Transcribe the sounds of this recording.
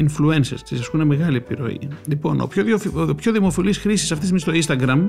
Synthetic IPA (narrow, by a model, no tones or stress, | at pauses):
influe̞nsḛst̪isɐskuneme̞ɣɐliepiɾo̞̰ḭlipo̞̰no̰pçoopçoðimo̞filisxɾisisɐft̪ismist̪o̞inst̪ɐɡɾɐm